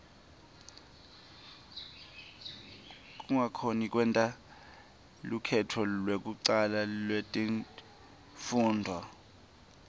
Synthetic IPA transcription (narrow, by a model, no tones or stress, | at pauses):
k̬ʼuŋakʰonik̬ʼwɛntʼa | lukʰɛtʰɔlwek̬ʼuǀalalwetʼi | fuːndʱwa